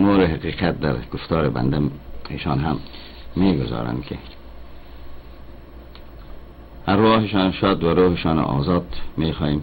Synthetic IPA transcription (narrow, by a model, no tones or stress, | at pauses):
moːɾɪɦaqiːqat̪̚d̪a̰ɾɡ̥ʊft̪ɑːɾɪba̰nd̪aeʃɑnɦamː | eːɡʊzɒ̰ːɾa̰nkʰɪ̰ | haɾːɑːhɪʃɑːnʃɑd̪waɾoːhɪʃɑːn̰ʔɔ̰ːzɑːd̪meːχɔːjeːm